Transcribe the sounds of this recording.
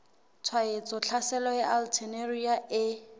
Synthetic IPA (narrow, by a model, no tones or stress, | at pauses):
t͡sʰwaet͡sʼɔt͡ɬʰasɛlɔjɛʔaltʰɛnerujaʔɪ